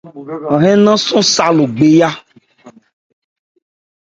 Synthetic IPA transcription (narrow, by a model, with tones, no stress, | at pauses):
ã˨ɦɛ̃˦nã˦sũ˦sa˨lo˨ɡ͡be˨ja˦